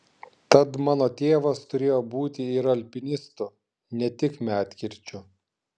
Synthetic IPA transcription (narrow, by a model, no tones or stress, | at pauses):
t̪ɐt̪mɑːnoːt̪ʲeːʋɐst̪ʊɾʲeːjoːbuːt̪ʲɪɪɾɐlʲpʲɪnʲɪst̪ʊ | nʲɛt̪ʲɪkmʲæːt̪ʲkʲɪɾʲt͡ʃʲʊ